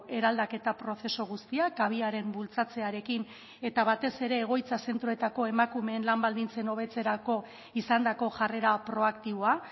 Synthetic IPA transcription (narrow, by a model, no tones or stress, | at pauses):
e̞ɾald̪ake̞t̪apɾo̞θe̞so̞ɣ̞ust̪iakaβ̞iaɾe̞mbult͡sat͡se̞aɾe̞kin | e̞t̪aβat̪e̞se̞ɾe̞ːɣ̞o̞jt͡sase̞nt̪ɾoe̞t̪ako̞e̞makume̞ːnlambald̪int͡se̞no̞β̞e̞t͡se̞ɾako̞ | isand̪ako̞ʝare̞ɾapɾo̞akt̪iβoa